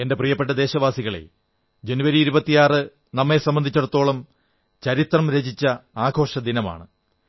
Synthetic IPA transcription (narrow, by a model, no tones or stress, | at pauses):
e̞nde̞prijɐpːeʈːɐd̪e̞ːɕɐʋaːsiɣɐɭe̞̰ | d͡ʑenuʋɐɾiːɾubɐt̪ːijaːrɨ | nɐmːe̞sɐmbɐnd̪it͡ɕːɐɽɐt̪ːo̞ːɭɐm | t͡ɕɐɾit̪rɐmɾed͡ʑit͡ɕːɐaːɡʱo̞ːʂɐd̪inɐma̰ːɳɨ